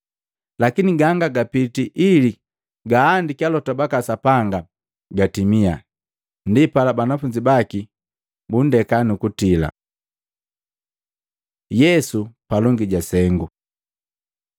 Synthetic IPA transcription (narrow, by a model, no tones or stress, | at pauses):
lakiniɡaŋɡaɡapitiʔili | ɡaːndikialɔtabakasapaŋɡa | ɡatimia | ndipalabanafuɲd͡ʒibaki | bun̩dɛkanukutila̰ | jɛsupalɔŋɡiɟasɛŋɡu